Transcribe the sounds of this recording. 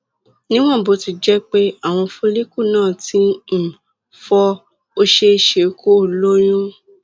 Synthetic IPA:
nĩ˦w̃ɔ̃˦˨bo˨˧˦ti˧d͡ʒɛ˦k͡pe˦a˦˨w̃ɔ̃˧fo˦li˦ku˦˨nãː˦˨ti˧˦m̩˨ | fɔ˧ | o˧ʃe˧˦˧ʃe˨ko˦˨lo˦ɾ̃ũ˦

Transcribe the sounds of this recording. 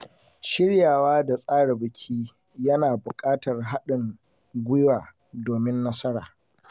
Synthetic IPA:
ʃɪ˦ɽjaː˨waː˦da˨sʼaː˦ɽɪ˨bɪ˨kʲʰiː˦ | jɐ˦naː˨bʊ˨kʼaː˦tɐ˨rɦa˦ɗɪ˨ŋ | ɡʷɪ˦jwaː˨ | doː˨mɪ˦nːɐ˦sɐ˦ɽaː˨

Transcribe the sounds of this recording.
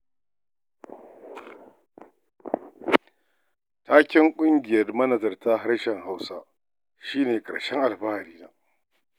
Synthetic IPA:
taː˦kʲɪ˦ŋkʷʼʊ˦ŋɡʲɪ˨jɐ˦rmɐ˦nɐ˨zɐ˨rta˦ɦa˦rʃɛ˨ŋɦa˦wsa˦ | ʃiː˦neː˨kʼɐ̰˨ɽʃɛ˦ŋʔa˨lbaː˦˨ɾiː˦naː˨

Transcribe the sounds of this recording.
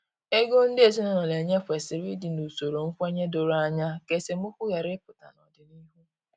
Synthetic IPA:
e˦ɡo˦n̩˦dɪ˦e˨zi˦nɔ˨nɔ˨le˨ɲe˦kʷe˨sɪ˨ɾi˦di˨nu˨so˨ɾo˨ŋ̩˦kʷe˦ɲe˦do˨ɾa˦ɲa˦ke˨se˨m̩˦ʊ˦kʷʊ˦ɣa˨ɾɪ˦pʊ˨ta̰˨nɔ˨dɪ˨ni˦ɦu˦

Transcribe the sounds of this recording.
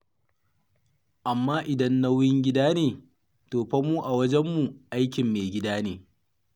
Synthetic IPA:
ʔa˨mːaː˦ʔɪ˨dɐ˦nːa˦wjɪ˦ŋɡʲɪ˦daː˦neː˨ | toː˨ɸɐ˦mːuː˦ʔa˨wɐ˦d͡ʒɛ˦mːu˨ʔa˦jkʲɪ˨mːeː˨ɡʲɪ˦daː˦neː˨

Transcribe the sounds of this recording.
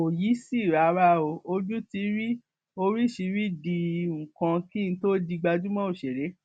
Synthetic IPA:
o˨ji˨˦si˦˨ɾa˨˦ɾa˧˦o˧o˧d͡ʒũ˦ti˧˦ɾi˦ | o˧ɾi˦˨ʃi˧ɾi˦dĩ˧˨kã˧kĩ˦ñ̩˧˦to˦di˧ɡ͡ba˧d͡ʒũ˦mɔ̃˦o˦˨ʃe˨ɾe˨˦

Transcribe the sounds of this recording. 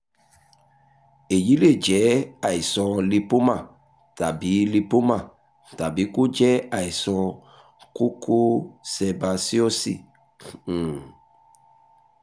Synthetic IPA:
e˨ji˨˦le˦˨d͡ʒɛ˨˦a˦˨i˨sɔ̃˧li˧po˦mã˦˨ | ta˨bi˨˦li˧po˦mã˦˨ | ta˨bi˨˦ko˦d͡ʒɛ˦a˦˨i˨sɔ̃˧ | ko˦kʰo˦sɛ˧ba˧si˦o˦sĩ˦˨

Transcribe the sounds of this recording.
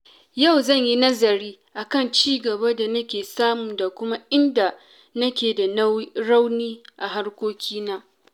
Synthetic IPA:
ja˦˨wzɐ˦˨ɲji˦nɐ˦zɐ˨ɾiː˦ʔa˨kɐ˦˨nt͡ʃiː˦ɡɐ˨ba˦da˨nɐ˦kʲeː˨saː˦mʊ˨da˨kʷʊ˦ma˦ʔɪ˦nda˨ | nɐ˦kʲeː˨da˨n˦ɽa˦wniː˦ʔa˨ɦa˦rkʷoː˦kʲiː˦naː˦

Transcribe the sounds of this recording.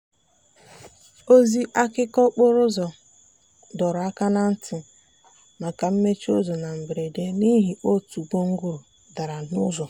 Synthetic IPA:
o˦zi˦ʔa˦kɪ˦kɔ˦k͡pʊ˦ɾʊ˦zɔ˨ | dɔ˨ɾʊ˨a˦ka˦na˦n̩˦tʰɪ˨ | ma˨ka˨m̩˦me˦t͡ʃo˦zo˨na˨m̩˨bɾe˨de˦ni˦ɦi˨ʔo˦tu˨ɡ͡bo˦ŋ̩˦ɡʊ˦ɾʊ˨ | da˨ɾa˨nʊ˦zɔ˨

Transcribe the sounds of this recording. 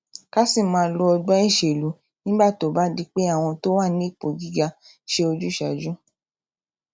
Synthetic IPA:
ka˦si˦˨mãː˧lɔ˧ɔ˧ɡ͡bɔ˦i˦˨ʃe˨lu˨˦ | nĩ˦ba˦˨to˨˦˨ba˨˦di˦k͡pe˦a˦˨w̃ɔ̃˧to˦wa˦˨nĩ˦i˦˨k͡po˨ɡi˦ɡa˧ | ʃe˦o˧d͡ʒu˦ʃa˨d͡ʒu˦

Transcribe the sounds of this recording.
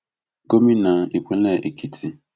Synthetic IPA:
ɡo˦mi˦na˨i˨kʷe˦le˦˨ʔe˨ki˦tʰi˦

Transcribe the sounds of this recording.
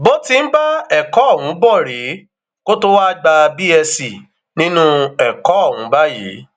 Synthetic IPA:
bo˦ti˧n̩˦ba˦ɛ˦˨kɔ˨˦˨wũ˨˦bɔ˦˨ɾe˨˦ | ko˦to˦wa˦ɡ͡ba˧bi˦ɛ˧si˨ | nĩ˦nũ˦ɛ˨kɔ˨˦ɔ˦˨wũ˨˦ba˦jḛ˨˦

